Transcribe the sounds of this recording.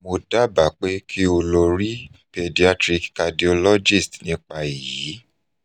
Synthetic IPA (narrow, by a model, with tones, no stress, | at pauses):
mo˧da˦ba˨k͡pe˦kʰi˦o˧lo˧ɾi˦pe˧di˧a˧tɾi˧kka˧di˨o˧lɔ˦d͡ʒi˦˨stnĩ˦k͡pa˧i˨ji˨˦